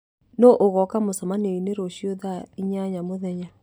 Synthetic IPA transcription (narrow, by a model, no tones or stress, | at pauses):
nɔʔoɣɔkamosɔmaneineɾoɕjoðaiɲaɲamoðɛɲa